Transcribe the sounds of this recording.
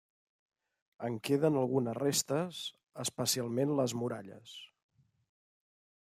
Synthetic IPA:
əŋkeðənəlˠɣunəzrest̪əs | əspəsialˠmenləzmuɾa̰ʎə̰s

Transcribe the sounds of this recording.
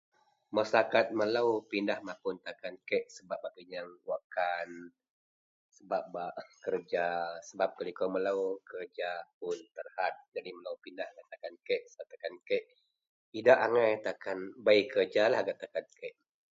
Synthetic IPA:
məsakat̪̚məlawpindahmapʊnt̪akankɛʔsəbap̚baʔkiɲaŋwakan | səbap̚baʔkərd͡ʒasəbap̚kəlikoməlawkərd͡ʒap̚ʊnt̪ərhat̪̚d͡ʒadiməlawpindahɡat̪akankeʔsəbaʔt̪akankeʔ | idaʔaŋajt̪akanbaikərd͡ʒalahɡaʔt̪akankɛʔ

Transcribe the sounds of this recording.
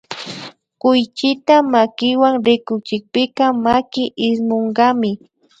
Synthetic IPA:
kʊjt͡ʃɪt̪amakɪwaŋɾɪkʊt͡ʃɪk̚pɪkamakɪʔɪsmoɴɢɑmɪ

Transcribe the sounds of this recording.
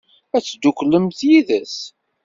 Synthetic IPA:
æt͡sːd̪ukləmθjiðəs

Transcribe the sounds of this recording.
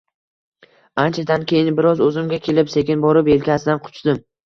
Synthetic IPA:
ant͡ʃʰad̪ankʲejɪnbɪɾɒzɵzɪmɡʲakʲʰe̞lɪpse̞kʲɪnbɒɾɪpe̞lkʲasɪd̪anqʰʊ̥t͡ʃd̪ɪm

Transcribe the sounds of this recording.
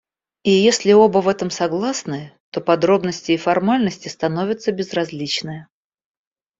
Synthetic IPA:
ijesʲlʲɪo̞bəvɛt̪əmsɐɡlˠasnɨt̪o̞pɐd̪ɾo̞bnəsʲtʲɪːfɐrmalʲnəsʲtʲɪst̪ɐno̞vʲɪt̪səbʲɪzrɐzʲlʲit͡ɕnɨjə

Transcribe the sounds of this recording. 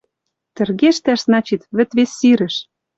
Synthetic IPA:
t̪ɘ̆rɣeʃt̪æʃznɑt͡ɕit̪βɘ̆t̪βesːiɾɘ̆ʃ

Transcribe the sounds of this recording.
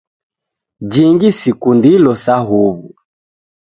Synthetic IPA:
d͡ʒiŋɡisikundilɔsaɦuβu

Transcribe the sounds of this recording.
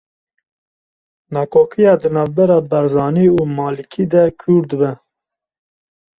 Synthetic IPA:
nɑːkʰoːkʰijɑːd̪ɨnɑːvbɛɾɑːbɛɾzɑːniːuːmɑːlikʰiːd̪ɛkʰuːɾd̪ɨbɛ

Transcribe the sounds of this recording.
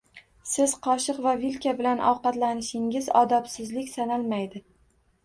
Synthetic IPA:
sɪz̥qʰɒʃɨqvavilkʲʰabɪlanʔɒ̰wqɑt̪lanɪʃɪŋɪzɒd̪ɒpsɪzlɪkʲsanalˠmajd̪ɪ

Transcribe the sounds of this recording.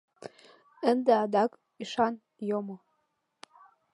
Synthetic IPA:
ənd̪eɑd̪ɑk | iʃɑn | jomo

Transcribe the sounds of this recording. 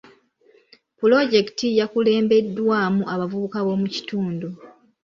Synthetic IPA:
pulo̞ɟe̞ki̥tijakule̞ːmbe̞dːwaːmuaβavuβukaβo̞ːmuci̥tuːndu

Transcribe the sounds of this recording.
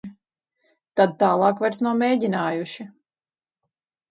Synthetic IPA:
t̪ad̪̚t̪aːlˠɑːkvajɾsnawmʲeːjɟʲinaːjuʃi

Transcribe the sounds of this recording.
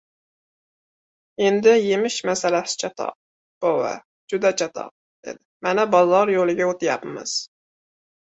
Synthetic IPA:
end̪ɪjemɪʃmɛsɛlɛsɪ̥t͡ʃʰɑt̪ʰɑ̰ | b̥owɛ̰ | d͡ʒud̪ɛt͡ʃʰɑt̪ʰɑ̰ | d̪̥ḛd̪ɪmɛnɛbɑzɑɾjolˠɨɡʲɛot̪ʰɪjɑpmɨ̰z̥

